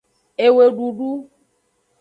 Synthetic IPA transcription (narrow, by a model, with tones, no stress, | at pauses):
e˨we˨ɖu˨ɖu˦